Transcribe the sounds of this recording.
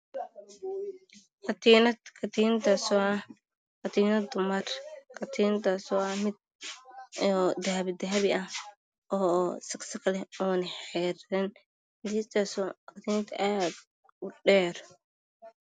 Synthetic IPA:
kɑt̪ʰiːnɐt̪kʰɐt̪ʰiːnt̪ʰasɔɐ | kɐt̪ʰiːnɐd̪ʊmɐrkʰɐt̪ʰiːnt̪asɔɐmɪd̪̚ | ɔːd̪aːβɪd̪ɐɦɐβɪʔɐh | ʔɔːsɐksɐkʰɐlɛɔːnɐħɛɾɐn | d̪iːt̪ʰasqɑt̪ʰiːnt̪ʰʔaːd̪ | ʊɖɛːr

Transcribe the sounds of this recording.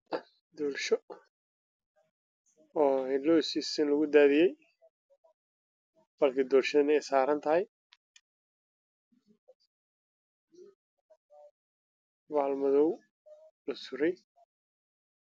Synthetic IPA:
d̪ɔːlʃɔ | ɔːhɛlɔːsisɪnlɐɣʊd̪aːðɪjɛj | bɐlkʰɪd̪ɔːlʃɐɪnɛjsaːɾɐnt̪ʰɐɦɪj | waːlmɐðɔw | lɐsʊɾɛj

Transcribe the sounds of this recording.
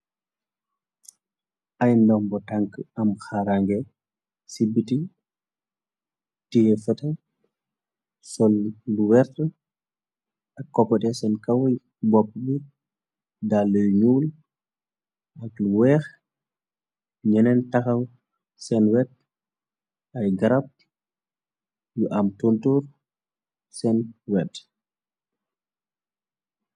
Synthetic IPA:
ʔajndɔmbɔtaŋkɐmxaɾaŋɡɛ | sibiti | tijɛfɛtɛ | sɔlluwɛɾtə | ɐkːɔpːɔtɛsɛnkɐwj | bɔpːɓi | dalːɔjɲuːl | ʔakluwɛx | ɲɛnɛntaxaw | sɛnwɛd̚ | ajɡaɾap̚ | juʔamtontuɾ | sɛnwɛt

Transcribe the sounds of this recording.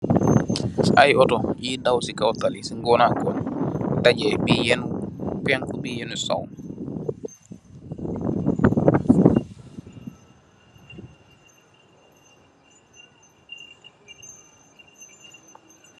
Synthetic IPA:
sʔajɔtɔjidawsikawt̪alisiŋɡɔnakɔntad͡ʒɛbijɛnkɛnkɔbijenusa̰wn

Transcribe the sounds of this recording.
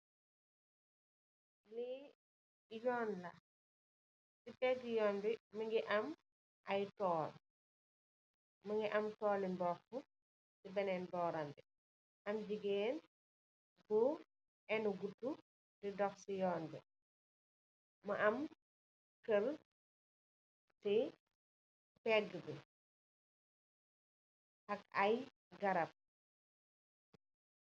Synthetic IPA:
li | jɔːnlɐ | sipɛtijɔːnbimɐŋɡiʔɐm | ʔɐjtɔːl | mɐŋɡiʔɐmtɔːlimbɔːxu | sibɐnɛnbɔːɾambi | ʔɐmd͡ʒiɡɛːn | bu | ʔɛnuɡutːu | didɔxsijɔːnbɛ̰ | mɐʔɐm | kəl | ti | pɛɡəbi | ʔɐkɐj | ɡɐɾɐp̚

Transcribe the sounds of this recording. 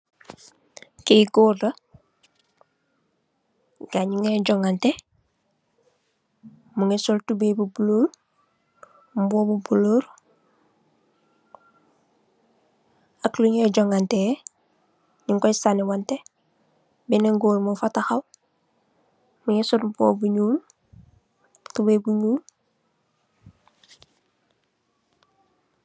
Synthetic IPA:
keɡoːɾda | ɡ̥aɲuŋeɟoŋɡante | muŋesoltubebubuloːɾ | mbobubuloːɾ | akluɲeɟoŋɡante | ɲiŋkɔjsanewante | bineŋɡoːlmofataxaw | muŋesotmbo̰buɲuːl | tubebuɲuːl

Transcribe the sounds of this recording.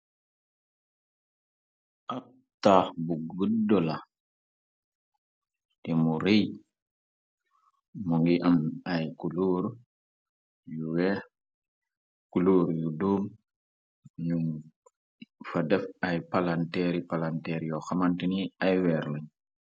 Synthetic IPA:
ʔa | tːaːxbuɡədɔla | timuɾij | muŋɡiʔamajkuluːɾ | juwɛ | kuluːɾjuduːm | ɲum | fadɛfajpalantɛɾipalantɛɾjɔxamantiniajwɛɾləɲ

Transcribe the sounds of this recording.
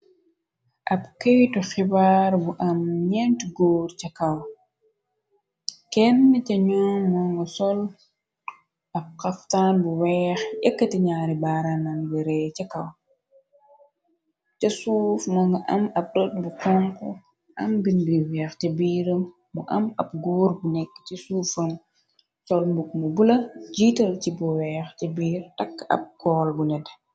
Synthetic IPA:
ʔɐb̚kejtɔxibaːɾbuʔɐmɲɛntɡoːɾcɐkɐw | kɛnːɛcɐɲɔːŋmɔŋɡɐsɔl | ʔɐb̚kɐftanbuwɛːxɛkːatiɲaːɾibaːɾananbiɾɛt͡ʃɐkɐw | cɐsuːfmɐŋɡɐʔɐmɐp̚dɔt̚bukaŋkɔ̰ | ʔɐ̰mbinbiwɛːxtɛbiɾɐm | buʔɐmɐb̚ɡuːɾbunɛkːt͡ʃisuːfɐn | sɔlmbuk̚mubulɐd͡ʒitɐlcibuwɛːxtɛbiːɾtɐkːɐ̰b̚kɔːlbunɛd

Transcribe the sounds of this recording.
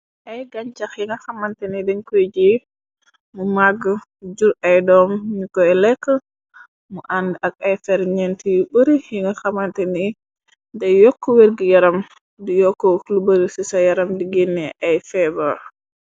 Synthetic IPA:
ʔajɡaɲt͡ʃaxiŋɡaxamantɛnidɛnkod͡ʒi | mumaɡə | d͡ʒuɾajdɔmɲikɔɛlɛkːə | muʔandʔak̚ajfɛɾɲɛntijuɓəɾijiŋɡaxamantɛni | dɛjɔkːɔweɾɡijaɾam | dijɔkːɔlubəɾisisajaɾamdiɡenːɛʔajfɛbɔ

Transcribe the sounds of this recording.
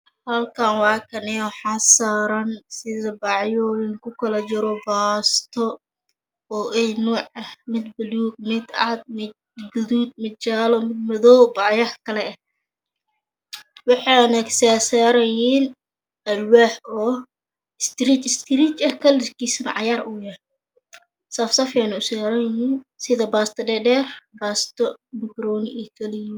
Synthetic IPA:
hɐlkʰaːnwɑːkʰɐnɛɔħɑsaːɾɐnsɪðɐbɑʕjɔɪŋkʰʊkʰɐlɐt͡ʃɪɾɔbaːst̪ʰɔ | ɔːʔɛjnuːʕɐhmɪd̪bʊluːɡ̚mɪd̪ɑd̪̚mɪ | ɡʊðuːd̪̚mɐt͡ʃaːlɔmɪd̪̚mɐðɔwbʕjahkʰɐlɛɛh | wɑħɑjnɐksaːsaːɾɐjiːn | ɐlwaːħɔː | ɪst̪ɾiːt͡ʃɪst̪ʰɪɾiːt͡ʃɐhkʰɐlɪskʰiːsɐnɐ̰ʕɑjaːrʊjɐ | sɐfsɐfɛnɐʊsaːɾɐhiːnsɪðɐbaːst̪ʰɐdɛɖɛːrbaːst̪ʰɔmɪɡɾɔːnɪʔɛkʰɐlɪj

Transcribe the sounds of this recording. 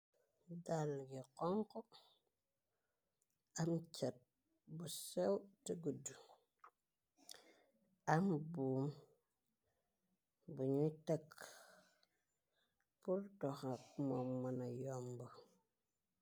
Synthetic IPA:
dalɡikoŋko | amt͡ʃet̚ | busewtəɡudu | ambum | buɲutek | puɾdoxakmomːənajombo

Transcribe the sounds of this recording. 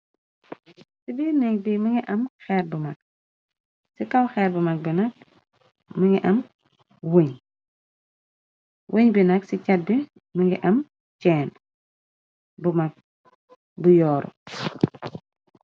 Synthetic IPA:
sibinɛŋbiməŋɡiʔɐmxɛːɾ̚bumɐk̚ | sikɐwxɛːɾbumɐk̚binɐk̚ | məŋɡiʔɐm | weɲ | wʔeɲbinɐksicɐt̚bi | məŋɡiʔɐm | t͡ʃɛːn | bumɐk̚ | bujɔːɾɔ̰

